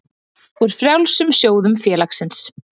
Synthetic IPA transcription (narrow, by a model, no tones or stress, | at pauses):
uɾ̥fɾjawlsʏmsjoːwðʏmfjɛːlaksɪns